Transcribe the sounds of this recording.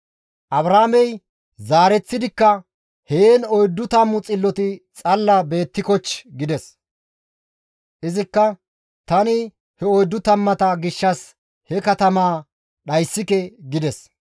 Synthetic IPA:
ʔɐbɾaːmɛj | zaːɾɛt͡sːɪd̪ɪkːɐ | heːnɔjd̪ːʊt̪ɐmːʊt͡sʼɪlːɔt̪ɪt͡sʼɐlːɐbe̞ːt̪ːɪkɔt͡ʃɡɪd̪ɛs | ʔɪzɪkːɐ | t̪ɐnɪ | hɛɔjd̪ːʊt̪ɐmːɐt̪ɐɡɪʃːɐs | hɛkɐt̪ɐmaː | ɗɐjsːɪkɛɡɪd̪ɛs

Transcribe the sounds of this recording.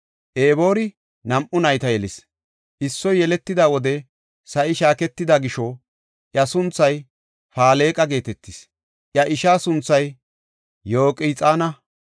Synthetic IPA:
ʔeːbo̞ːɾɪ | nɐmʔʊnɐjt̪ɐjɛlɪs | ʔɪsːɔjːɛlɛt̪ːɪd̪awɔd̪ɛ | sɐʔɪʃaːkɛt̪ːɪd̪ɐɡɪʃɔ | ʔjɐsʊnt͡sːɐj | faːle̞ːkʼɐɡe̞ːt̪ɛt̪ːɪs | ʔjɐʔɪʃaːsʊnt͡sːɐj | jo̞ːkʼɪt͡sʼaːnɐ

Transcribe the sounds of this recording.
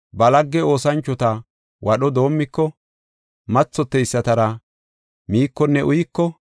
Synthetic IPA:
bɐlɐɡːɛo̞ːsɐnt͡ʃːɔt̪ɐ | wʔɐɗɔd̪o̞ːmːɪkːɔ | mɐt͡sːɔt̪ːɛjsːɐt̪ɐɾɐ | miːkːɔnːɛʔʊjɪkːɔ

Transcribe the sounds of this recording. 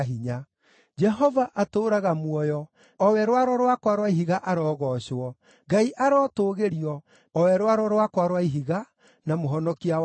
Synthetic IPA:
ɦiɲa | d͡ʒɛɦɔvaʔatoːɾaɣamwɔjɔ | ɔwɛɾwaɾɔɾwakwaɾwaiɦiɣaʔaɾɔːɣɔɕɔ | ɡaiʔaɾɔtoːɣeɾiɔ | ɔwɛɾwaɾɔɾwakwaɾwaiɦiɣa | namoɦɔnɔkia

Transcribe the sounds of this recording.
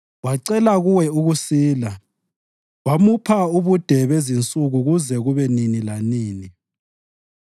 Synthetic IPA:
waǀɛlaɣuwɛuɣusiːla | wamupʰauβud̥ʱɛβezint͡sʼuɣuɣuzɛɣuβɛninilaniːni

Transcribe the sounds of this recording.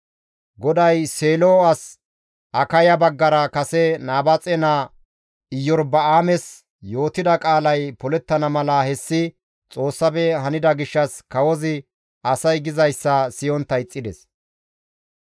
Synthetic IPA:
ɡɔd̪ɐjseːloːɐs | ʔɐkɐjɐbɐɡːɐɾɐkɐsɛnaːbɐt͡sʼɛna | ɪjːɔɾbɐaːmɛs | jo̞ːt̪ɪd̪ɐkʼaːlɐjpɔlɛt̪ːɐnɐmɐlɐhɛsːɪ | t͡sʼo̞ːsːɐbɛɦɐnɪd̪ɐɡɪʃːɐskɐwɔzɪ | ɐsɐjɡɪzɐjsːɐsɪjɔnt̪ːɐjt͡sʼːɪd̪ɛs

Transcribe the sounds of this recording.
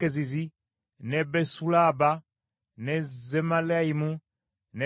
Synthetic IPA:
ezizi | nɛbɛsulaba | nɛzɛmalaimũ | nɛ

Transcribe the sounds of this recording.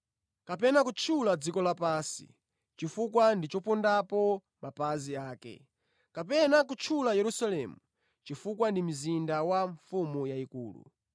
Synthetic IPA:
kapɛnakut͡ʃʰulad͡zikɔlapaːsḭ | t͡ʃifukwandit͡ʃɔpɔndapɔ | mapaziaːkɛ̰ | kapɛnak̬ut͡ʃʰulajɛɾusalɛmu | t͡ʃifukwandim̩zindawaɱfumujaikṵːlṵ

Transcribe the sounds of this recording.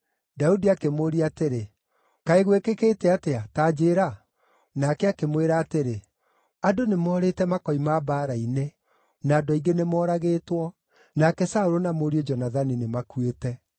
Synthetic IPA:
daudiakemoːɾiateɾe | kaeɣwekekeːtɛateataːd͡ʒeːɾa | nakɛakemweɾaːteɾe | adonemɔːɾetɛmakɔimabaːɾaine | naːdɔiɡenemɔːɾaɣeːtwɔ | nakɛsaoɾonamoɾiod͡ʒɔnaðaninemakwetɛ

